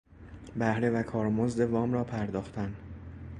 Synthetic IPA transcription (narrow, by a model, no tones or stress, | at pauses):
bæhɾe̞vækʰɒːɾmozd̪e̞vɒːmɾɒːpʰæɾd̪ɒːxt̪ʰæn